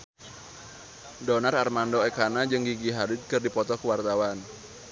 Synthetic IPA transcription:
dɔnararmandɔɛkanad͡ʒɨŋɡiɡiɦaɾɪt̪̚kɨrdipɔt̪ɔkəwart̪awan

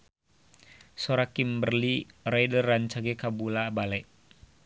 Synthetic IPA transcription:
soɾakimbərlirajdərːaɲt͡ʃaɡɛkabulabalɛʔ

